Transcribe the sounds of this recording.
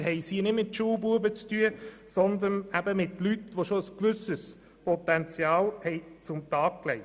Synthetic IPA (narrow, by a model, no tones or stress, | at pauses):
ɦɛɪsiːnɪtmɪtʃuːbuəbət͡styə | sɔnd̪ənæbəmɪt̪lytʋoʃoəskʋʉsəs | pɔt̪ɛnt͡sjɑːlhɛɪt͡sʊmt̪ɑːk̚klɛɪ